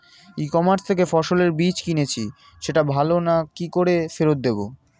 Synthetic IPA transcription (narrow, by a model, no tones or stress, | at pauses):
ikɔmaɾst̪ʰekefɔʃoleɾbit͡ɕkinet͡ɕʰi | ʃeʈabʱalonakikoɾefeɾot̪̚d̪ebo̰